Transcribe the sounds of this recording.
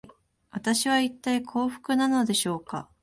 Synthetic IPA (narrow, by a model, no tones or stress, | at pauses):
βat̪aɕiβait̪ːaikʰo̞ːɸɯ̟̥kɯ̟nano̞d̪e̞ɕo̞ːka̰